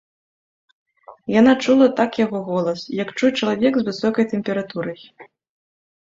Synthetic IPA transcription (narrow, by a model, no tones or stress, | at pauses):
janat͡ʂulˠɐt̪akjaɣɔɣɔlˠɐsjɐkt͡ʂujɛt͡ʂɐlˠavʲɛɡzvɨsɔkɐjt̪ɛmʲpʲɛɾat̪uɾɐj